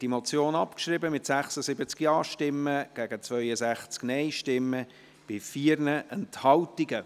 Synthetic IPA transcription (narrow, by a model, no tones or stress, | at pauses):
d̥imot͡sjoːnɑpkʃrɪbəmɪtsæχsəzɪbət͡skjɑːʃtɪmːəɡ̥æɡət͡svœʏəzæχt͡sknɛɪʃtɪmːə | b̥ɪfiːɾnəʔɛnthɑʊtiɡə